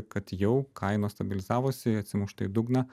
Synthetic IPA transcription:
kɐt̪jɛʊkʰɐɪnoːst̪ɐbʲɪlʲɪzɑːʋosʲɪɐt̪ʲsʲɪmʊʃt̪ɐɪd̪ʊɡnɐ

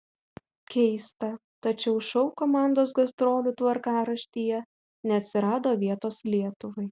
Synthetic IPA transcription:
kʲɛɪst̪ɐt̪ɐt͡ʃʲɛʊʃɐʊkoːmɑˑnd̪oːs̬ɡɐst̪ɾoːlʲut̪ʋɐɾkɑːɾɐʃʲt̪ʲijɛ | nʲɛɐt̪ʲsʲɪɾɑːd̪oːʋʲiɛt̪oːslʲiɛt̪ʊʋɐɪ

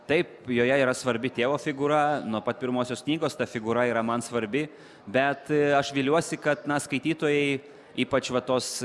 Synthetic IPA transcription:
t̪ɐɪpjoːjɛiːɾɐsʋɐɾʲbʲɪt̪ʲeːʋoːfʲɪɡuːɾɐnuɔpɐt̪̚pʲɪɾmoːsʲoːsknʲiːɡoːst̪ɐfʲɪɡuːɾɐiːɾɐmɐnsʋɐɾʲbʲɪ | bʲɛt̪ɐʃʋʲiːlʲuɔsʲɪkɐt̪nɐskɐɪt̪ʲiːt̪oːjɛɪ | iːpɐt͡ʃʋɐt̪oːs

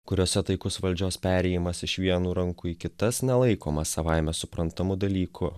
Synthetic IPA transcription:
kʊɾʲoːsʲɛt̪ɐɪkʊsʋɐlʲd͡ʒʲoːspʲæːɾʲɛːjɪmɐsɪʃʋʲiɛnuːɾɐŋkuikʲɪt̪ɐsnʲɛlˠɐɪkoːmɐsɐʋaɪmʲɛsʊpɾɐnt̪ɐmʊd̪ɐlʲiːkʰʊ

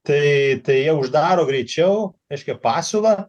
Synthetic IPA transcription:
t̪ɐɪt̪ɐɪjiɛʊʒd̪ɑːɾoːɡɾʲɛt͡ʃʲɛʊɛɪʃʲkʲɛpɑːsʲulˠɐ

